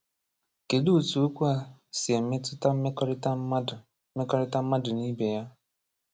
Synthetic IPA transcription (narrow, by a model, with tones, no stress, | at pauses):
ke˨du˦˨tu˨u˦kʷu˦a˨si˨e˨m̩˦me˦tʊ˦ta˦m̩˦e˦kɾt | me˦kɔ˦ɾɪ˦ta˦m̩˦ma˦dʊ˨ni˦be˨ja˦